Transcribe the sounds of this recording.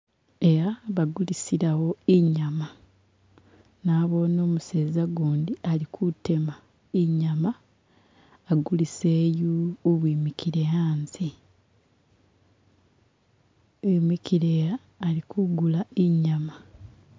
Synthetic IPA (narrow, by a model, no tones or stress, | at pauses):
e̞ɾaβaɡulisiɾawo̞eɲama | naːβo̞no̞ːmuseːzaɡoːndialikʰute̞ma | eɲama | ɡuliseːjuoβwiːmikʰiɾejaːnzi | emikiɾejaː | likʰuɡulaeɲama